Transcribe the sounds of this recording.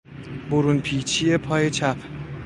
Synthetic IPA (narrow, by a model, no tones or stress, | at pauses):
boɾunpʰiːt͡ʃʰije̞pʰɒːje̞t͡ʃʰæpʰ